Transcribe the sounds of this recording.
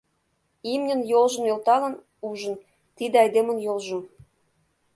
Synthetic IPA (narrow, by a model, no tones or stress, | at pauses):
imnʲə̆njolʒə̆njolt̪ɑlə̆n | uʒə̆n | t̪id̪eɑjd̪emə̆njolʒu